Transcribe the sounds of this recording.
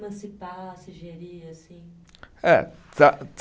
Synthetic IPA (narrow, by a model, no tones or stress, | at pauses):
mɐ̃sipaɐsiʒeɾiɐsĩ | ɛ̰t̪at̪